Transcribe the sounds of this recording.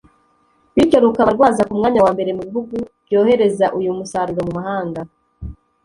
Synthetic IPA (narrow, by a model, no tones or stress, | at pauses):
βicoɾukaβaɾɡwaːzakumŋaːɲawaːmbe̞ɾe̞muβiɦuɡuβ̥ɟo̞ːhe̞ɾe̞zaʔujumusaːɾuɾomumahaːŋɡa